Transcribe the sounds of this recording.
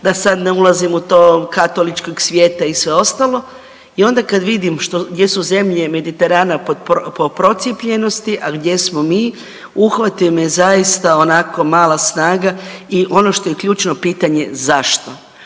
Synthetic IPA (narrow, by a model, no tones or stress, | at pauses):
d̪asad̪neulˠazimut̪oːkat̪o̞lit͡ʃkoɡsʋje̞ːt̪aisʋeo̞st̪alˠo̞ | io̞nd̪akad̪ʋid̪imʃt̪oɡdje̞suze̞mʎe̞me̞d̪it̪e̞ɾaːnapoppopɾo̞t̪sipʎe̞no̞st̪iʔaɡd̪je̞smo̞miː | uxʋat̪imezajist̪aonako̞maːlasnaːɡaiʔo̞no̞ʃt̪o̞jekʎuːt͡ʃno̞piːt̪aɲe̞zaʃt̪o̞